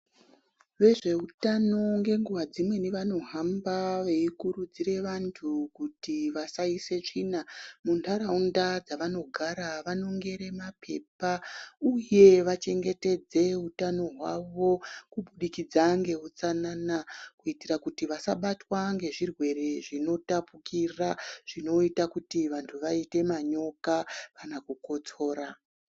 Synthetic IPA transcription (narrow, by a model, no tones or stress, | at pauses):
ʋe̞ʐe̞utano̞ŋɡe̞ŋɡuʋad͡zimwe̞niʋano̞ɦambaʋe̞ikuɾud͡ziɾe̞ʋantʰukutiʋasaise̞t͡ʂinamuntʰaɾaundad͡zaʋano̞ɡʱaɾaʋano̞ŋɡe̞ɾe̞mapʰe̞pauje̞ʋat͡ʃe̞ŋɡe̞te̞d͡ze̞utano̞ɦwaʋo̞kuɓuɗikid͡zaŋɡe̞ut͡sanaːnakuitirakutiʋasaɓatwaŋɡe̞ʐirwe̞re̞ʐino̞tapukiraʐ̥ino̞itakutiʋantʰuʋaite̞maɲo̞kaʋanakuko̞t͡so̞ːɾa